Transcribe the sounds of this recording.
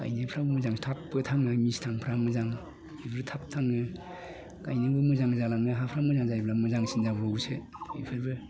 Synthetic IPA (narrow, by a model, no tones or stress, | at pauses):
ka̰jnɯpʰɾabɯmɯzaŋtʰapːɯtʰaŋɯmistʰaŋpʰɾamɯzaŋ | ibʰɯɾɯtʰap̚tʰaŋɯ | kajnɯbɯmɯzaŋzalaŋɯɦapʰɾamɯzaŋzajblamɯzaŋsinzabɯoɡsɯḭpʰɯɾbɯ